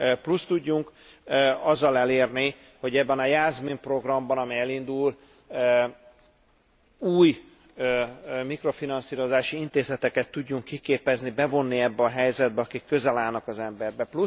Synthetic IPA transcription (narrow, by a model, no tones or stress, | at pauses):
plust̪uɟːuŋk | øɒzːɒlɛleːrni | ho̞ɟɛbːɛnɒjaːzmimpro̞ɡrɒmbɒnɒmɛjɛlind̪ul | ø | uːj | ømikro̞finɒnsiːɾo̞zaːʃiint̪eːzɛt̪ɛkɛt̪ːuɟːuŋkːikeːpɛznibɛvo̞nːiɛbːɛɒɦɛjzɛd̪̚bɛɒkikːø̞zɛlaːlnɒkɒzɛmbɛrbɛplu